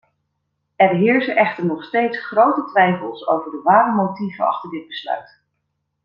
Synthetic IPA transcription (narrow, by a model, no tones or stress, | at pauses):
ɛrɦɪːɹzənʔɛχtəɹnɔχstejtsχrowtətʋɛjfəlˠso̰wvəɹdəʋaːɾəmowtivənɑ̰χtəɹdɪd̚bəslœ̰ɥt